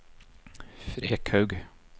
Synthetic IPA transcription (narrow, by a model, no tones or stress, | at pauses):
fɾeːkhœʉɡ